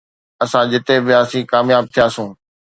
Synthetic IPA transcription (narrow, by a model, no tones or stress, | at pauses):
ɐsãd͡ʑɪt̪eʋɪjaːsĩːkaːmjaːb̚t̪ʰijaːsũː